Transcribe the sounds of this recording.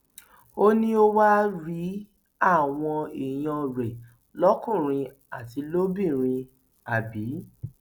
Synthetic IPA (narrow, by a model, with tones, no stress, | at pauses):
o˦nĩ˦o˦wa˦ɾi˨˦ | a˦˨w̃ɔ̃˧i˨j̃ɔ̃˧ɾe˨ | lɔ˦kũ˦˨ɾ̃ĩ˧ | a˦˨ti˧lo˦bĩ˦˨ɾ̃ĩ˧ | a˨bi˨˦